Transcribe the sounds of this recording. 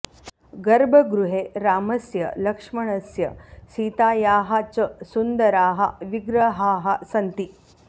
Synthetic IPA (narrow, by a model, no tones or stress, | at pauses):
ɡɐɾbʱɐɡɾuɦeɾaːmɐsjɐ̰lɐkʂmɐɳɐsjɐsit̪ajaːɦat͡səsund̪ɐɾaːɦa̰ʋiɡɾɐɦaːɦasɐnt̪i